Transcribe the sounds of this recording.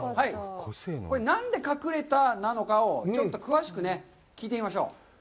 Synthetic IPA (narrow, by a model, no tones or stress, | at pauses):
hai | ko̞ɾenãnd̪e̞kakɯ̟ɾe̞t̪anano̞kaot͡ɕo̞t̪ːo̞kɯ̟βaɕi̥kɯ̟ne | kʲiːt̪̬eimaɕo̞̰ː